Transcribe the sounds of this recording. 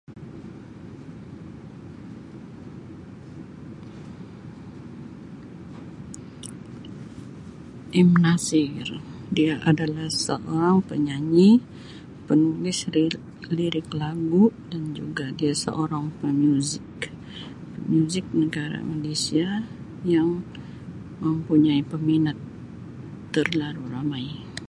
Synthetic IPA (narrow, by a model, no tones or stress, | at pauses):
ʔimnasɪrdiaʔadalahsə̰ʔoɾaŋpəɲaɲi | pənulɪs | liɾɪklaɡudand͡ʒuɡadiasə̰ʔoɾaŋpəmjuzɪk | pəmjuzɪk̚nəɡaɾa̰malesia | jaŋ | məmpuɲaipəminat̪ː | ərlaɾuramaj